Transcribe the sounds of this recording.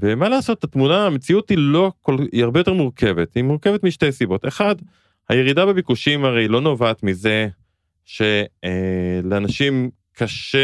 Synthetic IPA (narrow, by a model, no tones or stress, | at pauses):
vemalaːso̞t̪̚ːat̪munaːmet͡siutilo̞koliaʁbejotemuʁkʰe̞vet̪imuʁke̞ve̞t̪miʃte̞jsibo̞te̞χad | haje̞ʁidabebikuʃimhaʁejlo̞no̞vaːt̪mize̞ | ʃe̞eleanaʃim | kʰaʃe